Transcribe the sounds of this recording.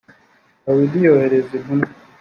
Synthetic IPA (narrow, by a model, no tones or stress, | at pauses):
awidijoheɾezimuna